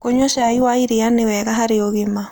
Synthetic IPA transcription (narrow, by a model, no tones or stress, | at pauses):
koɲɔʃaiwaiɾeanewɛɣaɦaɾeoɣema